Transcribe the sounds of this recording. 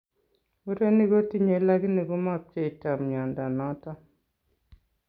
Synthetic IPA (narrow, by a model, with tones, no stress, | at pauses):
u˦ɾe˦ni˦ɡo˦ti˦ɲe˨˦la˦ɡi˦ni˨ɡɔ˦ma˦˨p̚t͡ʃe˦i˨ta˨mɲa˨nda˨nɔ˦tɔ˦